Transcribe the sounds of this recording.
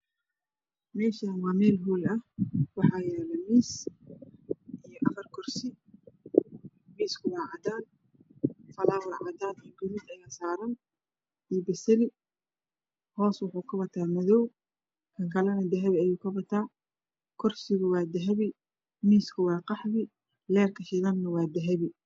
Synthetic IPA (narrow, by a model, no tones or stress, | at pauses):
mɛːʃaːmaːmɛːlɦuːlɐhwɑħɑːjɛːlɛmiːs | ʔijɔʔɐfɐrkʰʊrsɪ | miːskʰʊwɑːʕɑd̪aːn | fɐlaːwɐrʕɑ̰d̪aːlːɡʊɾuːd̪ɐjaːsaːɾɐn | ibɐsɛlɪ | hɔːswʊħuːkʰɐbɐt̪ʰaːmɐðɔw | kʰɐŋkʰɐlɐnɐd̪ɛɦɛβiɐjuːkʰɐbɐt̪ʰaː | kʰʊrsɪɣʊwɑːd̪ɐɦɛβɪ | miːskʰʊwɑːqɑħβɪ | lɛːrkʰɐʃɪɣɐnnɐwɑːd̪ɛɦɛβɪ